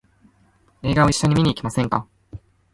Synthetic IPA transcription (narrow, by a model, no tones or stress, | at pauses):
e̞ːɡaoiɕːo̞ɲ̟imʲiɲʲiːkʲimasẽ̞ŋka̰